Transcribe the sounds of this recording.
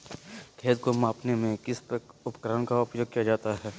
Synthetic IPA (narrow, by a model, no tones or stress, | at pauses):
kʰeːt̪komãːpnemẽkɪst̪əkʊpkɾənkaʊpjoːɡ̚kijad͡ʒaːt̪aɦɛː